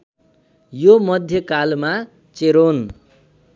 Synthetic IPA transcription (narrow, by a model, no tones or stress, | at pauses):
jomʌd̪ʱjʌkalma | t͡seɾon